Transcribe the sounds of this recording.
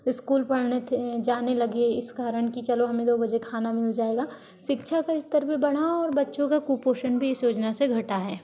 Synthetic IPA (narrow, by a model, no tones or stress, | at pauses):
ɪskuːlpɐɽ̤net̪ʰed͡ʒaːnelɐɡeɪskaːɾəɽ̃kit͡ʃɐloɦɐmẽd̪oːbɐd͡ʒekʰaːnamɪld͡ʒaːeːɡaː | ʃɪkʃʰakaɪst̪əɾbibɐɽ̤̃aɔːɾbɐtːʃõkakuːpoːʃənbʱiɪsjoːd͡ʒnaseɡʱɐʈaɦɛː